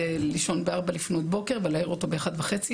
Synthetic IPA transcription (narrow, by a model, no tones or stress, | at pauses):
liʃo̞nbeaʁbalifnotbo̞keʁvelaiʁoto̞beaχadvaχet͡si